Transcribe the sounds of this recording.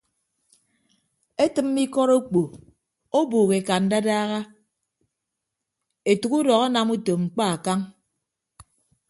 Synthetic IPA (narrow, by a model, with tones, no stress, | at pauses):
e˦tɨ˨m̩ː˦i˦kɔ˦ɾo˦k͡po˨ | o˦buː˨ɣe˨ka˨n̩˦da˦daː˦ɣa˦ | e˨tu˨ku˦dɔ˨ɣa˦na˨mu˦to˨ŋ͡m̩˨k͡pa˦a˨ka˦ŋ